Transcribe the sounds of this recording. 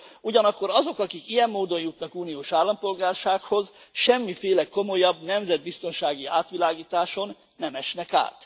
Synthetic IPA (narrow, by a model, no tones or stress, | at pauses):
uɟɒnɒkːo̞ɾɒzo̞kɒkikijɛmːoːd̪o̞njut̪nɒkuːnijoːʃaːlːɒmpo̞lɡaːrʃaːkho̞zʃɛmːifeːlɛko̞mo̞jɒbnɛmzɛd̪̚bist̪o̞nʃaːɡiaːt̪ʋilaːɡiːt̪aːʃo̞nːɛmɛʃnɛka̰ːt̪